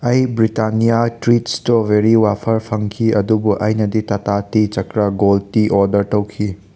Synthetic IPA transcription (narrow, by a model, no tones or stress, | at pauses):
ɐjbɾitanijatɾitstobeɾiwapʰɐɾpʰɐŋkʰiɐdubuʔɐjnɐditɐtatit͡ʃɐkɾɐɡoltiʔoɾdɐɾtɐwkʰi